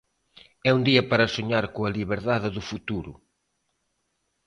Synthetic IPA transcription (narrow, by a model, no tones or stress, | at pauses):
ɛund̪iɐpaɾɐsoɲaɾkoɐliβeɾðaðɪðʊfut̪uɾʊ̰